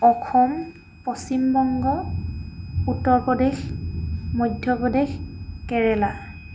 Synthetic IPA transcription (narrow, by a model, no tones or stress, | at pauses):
ɔxʰɔm | pɔsimbɔŋɡɔ | utːɔɹpɔdɛx | mɔjdʱjɔpɹɔdɛxkɛɹɛla